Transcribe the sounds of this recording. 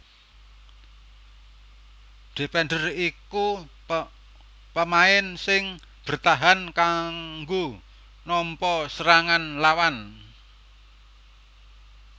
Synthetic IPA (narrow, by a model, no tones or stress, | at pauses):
d̪̥epɛnɖəriku | pəmaɪnsɪŋ | b̥ərt̪aɦankaŋɡo | nɔmpɔsəɾaŋanlawan